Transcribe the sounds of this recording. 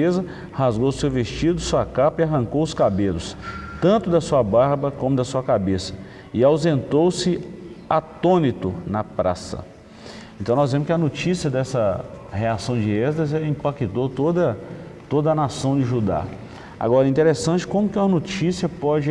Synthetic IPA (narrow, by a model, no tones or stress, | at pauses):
ezɐ | hazɡowʊsewvest͡ʃid̪ʊsuɐkapɐiaɦɐ̃ŋkowʊskabelʊst̪ɐ̃nt̪ʊd̪ɐsuɐbaɾbɐkõmʊd̪ɐsuɐkabesɐ̥ | ɪawzẽnt̪owsɪat̪õnit̪ʊnɐpɾa̰sɐ̰ | ẽnt̪ɐ̃w̪̃ɔzvẽmʊs̬kʲɪɐnot͡ʃisiɐd̪ɛsɐheasɐ̃w̃d͡ʒɪɛzd̪ɐzɛlɐĩpakit̪ot̪od̪ɐt̪od̪ɐnasɐ̃w̃d͡ʒɪʒud̪a̰ | a̰ɡɔɾɐɛĩt̪eɾesɐ̃t͡ʃɪ̥kõmʊkɪũmɐnot͡ʃisiɐpɔd͡ʒɪ